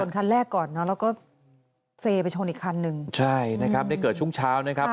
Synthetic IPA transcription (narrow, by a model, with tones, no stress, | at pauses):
u˨˩˦nkʰa˧nɾɛː˥˩kːɔː˨˩nːɔ˦˥laː˧˥wkɔː˥˩ | seː˧pa˧jt͡ɕʰoː˧nʔiː˨˩kʰːa˧nːɯ˧ŋt͡ɕʰa˥˩jna˦˥kʰɾa˦˥da˥˩jkɤː˨˩t̪̚t͡ɕu˥˩ŋt͡ɕʰaː˦˥wna˦˥kʰa˦˥